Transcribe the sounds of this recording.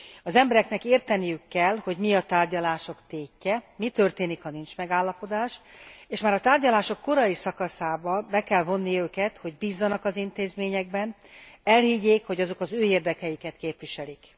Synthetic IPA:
ɒzɛmbɛɾɛknɛkeːrt̪ɛnijykːɛlho̞ɟmiɒt̪aːrɟɒlaːʃo̞kt̪eːcːɛmit̪ø̞rt̪eːnikhɒnint͡ʃmɛɡaːlːɒpo̞d̪aːʃeːʃmaːɾɒt̪aːrɟɒlaːʃo̞kːo̞ɾɒjisɒkɒsaːbɒbɛkɛlvo̞nːiøːkɛt̪ho̞ɟbiːzːɒnɒkɒzint̪eːzmeːɲɛɡ̚bɛnɛlhiɟːeːkho̞ɟɒzo̞kɒzøːeːrd̪ɛkɛjikɛt̪keːpʋiʃɛlik

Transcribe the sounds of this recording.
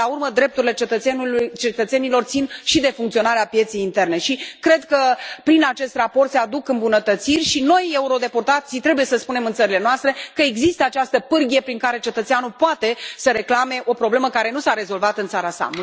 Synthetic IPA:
aurməd̪ɾe̞p̚t̪uɾile̞t͡ʃet̪əeult͡ʃe̞t̪ət̪se̞nilo̞rt̪sinʃid̪e̞fuŋkt̪io̞naɾeapje̞t̪sejint̪e̞rne̞ʃikɾe̞d̪kəpɾinat͡ʃe̞st̪rapo̞rt̪sead̪ukɨmbunət̪ət̪sirʲʃino̞je̞uɾo̞d̪e̞port̪at̪sit̪ɾe̞bujesəspune̞mɨnt̪səɾile̞noast̪ɾe̞kəeɡzist̪əat͡ʃast̪əpɨrɡʲijepɾiŋkaɾe̞t͡ʃe̞t̪ət̪seanulpoat̪e̞səɾe̞klame̞ʔo̞pɾo̞bleməkaɾe̞nusaɾe̞zo̞lvat̪ɨnt̪saɾasa̰

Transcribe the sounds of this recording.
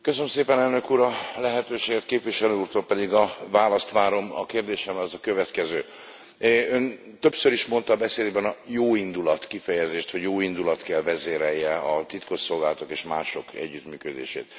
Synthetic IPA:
køsønømseːpɛnɛlnøkuːɾɒlɛɦɛt̪øːʃeːɡɛt̪̚keːpviʃɛløːuːrt̪olpɛd̪iɡɒvaːlɒst̪ʋaːɾo̞mɒ̰keːrd̪eːʃɛmɛɛzɒkøvɛt̪kɛzøː | øn | t̪ø̞psøɾiʃmo̞nt̪ɒːbɛseːd̪bɛnɒjoːind̪ulɒt̪kifɛjɛzeːʃt̪ho̞ɟjoːind̪ulɒt̪kɛlvɛzeːɾɛjːɛɒt̪it̪ko̞ʃso̞lɡaːlɒt̪o̞keːʃmaːʃo̞kɛ̰ɟːyt̪myːkød̪ḛːʃḛːt̪

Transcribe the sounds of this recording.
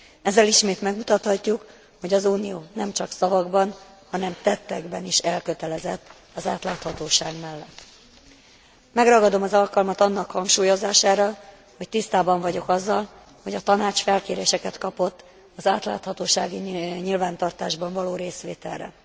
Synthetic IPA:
ɛzːɛliʃmeːt̪mɛɡmut̪ɒt̪hɒcːuk | ho̞ɟɒzuːnijoːnɛmt͡ʃɒksɒvɒɡbɒn | hɒnɛmt̪ɛt̪ːɛɡbɛniʃɛlkøt̪ɛlɛzɛt̪ː | ɒzaːt̪laːt̪hɒt̪oːʃaːɡmɛlːɛt̪ː | mɛɡrɒɡɒd̪o̞mɒzɒlkɒlmɒt̪ɒnːɒkhɒŋkʃuːjo̞zaːʃaːɾɒ | ho̞c̚t̪ist̪aːbɒɱvɒɟo̞kɒzːɒl | ho̞ɟɒt̪ɒnaːt͡ʃfɛlkeːɾeːʃɛkɛt̪kɒpo̞t̪ː | ɒzaːt̪la̰ːt̪hɒt̪oːʃaːɡiɲilvaːnt̪ɒrt̪aːʒbɒɱvɒloːɾeːsʋeːt̪ɛ̰lrɛ̰

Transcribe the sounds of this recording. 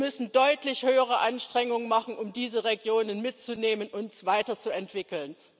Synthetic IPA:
mʏsn̩dɔʏtlɪçhøːəʁ̞əʔanʃtʁ̥ɛŋʊŋənmaχn̩ʔʊmdiːzəʁeɡjoːnənmɪt̚t͡suneːmənʊntsv̥aɪtɐt͡suɛntv̥ɪkl̩n

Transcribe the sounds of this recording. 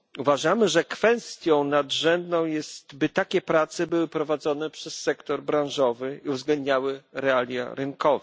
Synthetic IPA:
uvaʐamɘʐɛkfɛst̪ʲjɔ̃w̃nad̪ʐɛnd̪nɔ̃w̃jɛst̪bɘt̪akʲɛpɾat̪sɛbɘwɘpɾɔvad̪zɔnɛpʂɛsːɛkt̪ɔɾbɾãw̃ʐɔvɘiuvzɡlɛnd̪ɲawɘɾɛalʲja̰ɾɘnkɔva

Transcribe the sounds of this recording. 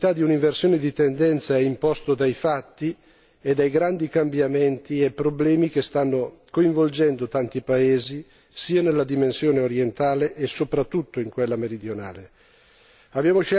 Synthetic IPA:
t̪ad̪iuniɱversjoːned̪it̪end̪ɛnt̪saɛimpɔst̪od̪ajfat̪ːi | ed̪ːajɡɾand̪ikambjament̪iepːɾoblɛːmik̟est̪anːokoiɱvold͡ʒɛnd̪ot̪ant̪ipaeːzi | siːanelːad̪imensjoːneoɾjent̪aːleʔːsːopɾat̪ːut̪ːoiŋkwelːameɾid̪jona̰ːle | abːjaːmoʃɛ

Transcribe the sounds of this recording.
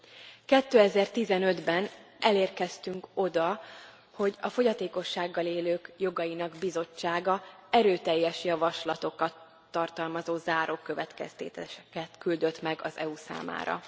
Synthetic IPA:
kɛt̪ːøːɛzɛrt̪izɛnø̞d̪bɛnʔɛleːrkɛst̪yŋko̞d̪ɒ | ho̞ɟɒfo̞ɟɒt̪eːko̞ʃːaːɡːɒleːløːkjo̞ɡɒjinɒɡbizo̞t͡ʃːaːɡɒɛɾøːt̪ɛjːɛʃjɒvɒʃlɒt̪o̞kɒt̪ː | ɒrt̪ɒlmɒzoːzaːɾo̞kːø̞vɛt̪kɛ̰st̪ḛːt̪ɛkɛt̪kyld̪ø̞t̪mɛɡɒzɛ̰usa̰ːma̰ːɾɒ̰

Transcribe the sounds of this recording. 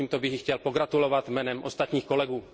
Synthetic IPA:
iːmt̪obɪɦjxcɛlpo̞ɡɾat̪ulo̞vat̪mɛːnɛmʔo̞st̪at̪ɲiːxko̞lɛɡuː

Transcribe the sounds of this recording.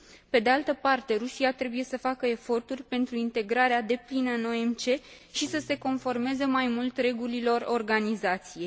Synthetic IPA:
pe̞d̪ealt̪əpart̪e̞ɾusiat̪ɾe̞buje̞səfakəe̞fo̞rt̪urʲpe̞nt̪ɾuint̪e̞ɡɾaɾead̪e̞plinəɨno̞emt͡ʃe̞ | ʃisəse̞ko̞nfo̞rmezəmajmult̪re̞ɡulilo̞ro̞rɡanizat̪sije

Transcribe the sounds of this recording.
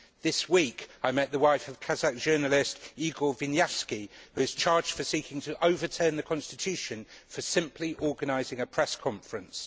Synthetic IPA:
ðɪswiˑkaɪmɛʔ̚ðəwaɪfəv̥kʰazak̚d̥ʒ̥ɜːnəlɪstiːɡəlˠvɪ̃njɛskihʉɪz̥t͡ʃʰɑːd͡ʒd̥fəsiˑkʰɪ̃ŋtʰəʔəʊvətʰɜːnðəkʰɒ̃nstɪtʰʉˑʃə̃nfəsɪ̃mpʰliʔɔːɡənaɪzɪ̃ŋəpʰɹ̥ɛskʰɒ̃ɱfəɹə̃ns

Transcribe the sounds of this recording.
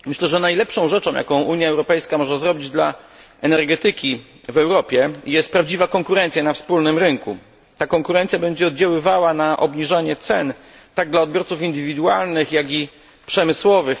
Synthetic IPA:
mɘɕlɛʐɛnajlɛpʂɔ̃w̃ʐɛt͡ʂɔ̃w̃ja̰kɔ̃w̃ʔuɲjaɛwɾɔpɛjskamɔʐɛzɾɔbʲid͡ʑd̪la | ɛnɛɾɡɛt̪ɘkʲi | vɛwɾɔpʲjɛijɛst̪pɾavd͡ʑivakɔŋkuɾɛnsjanafspulnɘmɾɘŋkṵ | t̪akɔŋkuɾɛnt̪sʲjabɛɲd͡ʑɛɔd̪̚d͡ʑawɘvawanaʔɔ̰bɲiʐaɲɛt̪sɛn | t̪aɡ̚d̪laɔd̪̚bʲjɔɾt̪sufind̪ɘvʲid̪ualnɘxjaɡʲi | pʂɛmɘswɔvɘx

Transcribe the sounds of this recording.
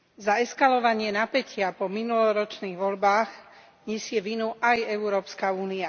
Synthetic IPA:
zaɛskalɔʋaɲɪɛnapɛcɪapɔminulɔɾɔt͡ʃniːɣʋɔʎbaːɣ | ɲɛsɪɛʋinuʔajɛuɾɔːpskauːnia

